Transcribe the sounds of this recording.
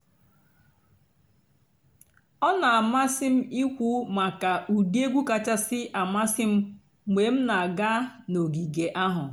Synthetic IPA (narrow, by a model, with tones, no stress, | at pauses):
ɔ˦na˨a˨ma˦sɪ˦m̩˦i˦kʷu˦ma˨ka˨u˨di˦e˦ɡʷu˦ka˨t͡ʃa˦sɪ˦ʔa˨ma˦sɪ˦m̩˦ | mʷe˨m̩˦na˨a˨ɡa˦no˨ɡi˨ɡe˨ʔa˦ɦʊ˨